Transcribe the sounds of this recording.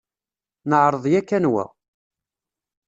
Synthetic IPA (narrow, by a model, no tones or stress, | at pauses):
nəʕɾˤəðˤjækːænwæ̰